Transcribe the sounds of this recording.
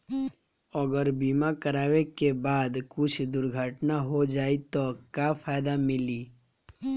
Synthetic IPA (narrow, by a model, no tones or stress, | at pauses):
ɔɡəɾbiːmakəɾaːwekebaːd̪kʊt͡ʃʰd̪ʊɾɡʱəʈnaɦod͡ʒaːit̪okjafʰaːjd̪amɪliː